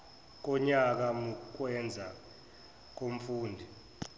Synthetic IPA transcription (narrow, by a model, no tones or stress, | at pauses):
k̬ɔɲak̬amuk̬wɛnd͡zʱa | k̬om̩fuːndʱi